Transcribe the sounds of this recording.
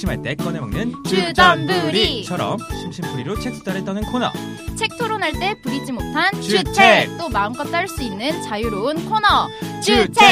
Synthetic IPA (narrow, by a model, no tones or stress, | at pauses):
ɕʰimɦaɭt͈e̞kwʌnemaŋnɯnt͡ɕud͡ʑʌnbɯɾit͡ɕʰʌɾʌ̰mɕʰimɕʰimp͈ʰuɾiɾot͡ɕʰek̚tʰu̥t͈ʰaɾet͈ʌnɯnkʰonʌ̰ | t͡ɕʰe̞k̚tʰoɾonaɭt͈e̞puɾid͡ʑimotʰant͡ɕt͡ɕʰut͡ɕʰet͈omaɯŋk͈ʌt͈aɭs͈uinːɯnt͡ɕajuɾoɯnkʰonʌt͡ɕut͡ɕʰe